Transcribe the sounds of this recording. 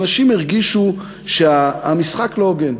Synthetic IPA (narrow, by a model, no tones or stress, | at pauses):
naʃimeʁɡiʃu | ʃeaamisχaklooɡen